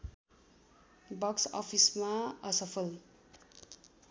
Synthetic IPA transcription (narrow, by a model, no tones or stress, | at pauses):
bʌksʌ̰pʰismaʌsʌpʰʌl